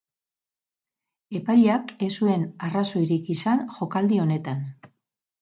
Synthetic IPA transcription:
e̞pajʎake̞sue̞naraso̞iɾikisanʝo̞kald̪io̞ne̞t̪an

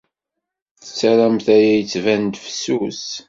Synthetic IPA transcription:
θə̥t͡sːæɾæmθæjæjət͡sːvænd̪fə̥sus

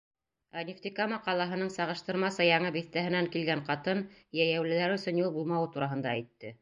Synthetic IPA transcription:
ænʲɪft̪ikamɑqɑlˠɑɦɤ̆nɤɴsɑʁɤ̆ʃt̪ɤ̆ɾmɑsɤjɑɴɤbiθt̪æɦɘ̆næŋkilɡæɴqɑt̪ɤnjæjæwlɘ̆læɾɵ̆sɵ̆njulˠbulˠmɑwɤt̪uɾɑɦɤ̆nd̪ɑæjt̪ːɘ

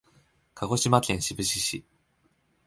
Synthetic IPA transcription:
kʰaɡo̞ɕimakẽ̞ɰ̃ɕibɯ̟ɕiɕi

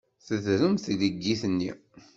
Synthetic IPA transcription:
θəðɾəmθləɡːiθnːḭ

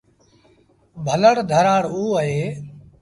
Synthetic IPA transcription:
bʱələɽd̪ʱəɾaːɽuːəɦeː

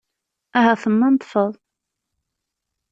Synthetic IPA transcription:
æɦæθəmːɑnt̪ˤfəðˤ

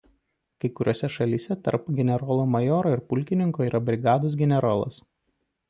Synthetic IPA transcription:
kɐɪkʊɾʲʔoːsʲɛʃɐlʲiːsʲɛt̪ɐ̰ɾpɡʲɛnʲɛɾɔːlˠoːmɐjɔːɾoːɪɾpʊlʲkʲɪnʲɪŋkoːiːɾʔɐbʲɾʲɪɡɑːd̪os̬ɡʲɛnʲɛɾoːlˠɐ̰s

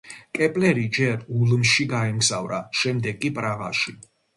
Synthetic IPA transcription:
kʼɛpʼlɛɾid͡ʒɛɾulmʃiɡaɛmɡzavɾaʃɛmd̪ɛɡkʼipʼɾaɣa̰ʃi

